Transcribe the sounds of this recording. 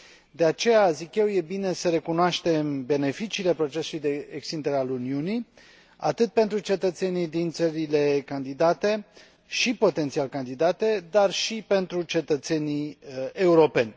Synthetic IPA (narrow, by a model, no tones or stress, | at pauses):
d̪e̞at͡ʃe̞jazikje̞wje̞bine̞səɾe̞kunoaʃt̪e̞mbe̞ne̞fit͡ʃiːle̞pɾo̞t͡ʃe̞sulujd̪e̞ekst̪ind̪eɾealuniuni | a̰t̪ɨt̪̚pe̞nt̪ɾut͡ʃe̞t̪ət̪se̞nid̪int̪səɾile̞kand̪id̪at̪e̞ | ʃipo̞t̪ent̪sialkand̪id̪at̪e̞d̪arʃipe̞nt̪ɾut͡ʃe̞t̪ət̪se̞nieuɾo̞pe̞nʲ